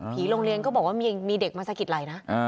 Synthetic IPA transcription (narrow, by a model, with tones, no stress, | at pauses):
pʰiː˩˦lo˧ŋɾi˧ənkɔː˥˩bɔː˨˩kwaː˥˩miː˧miː˧de˨˩k̚maː˧saː˧˥ki˨˩t̪̚la˨˩jna˦˥ʔʔ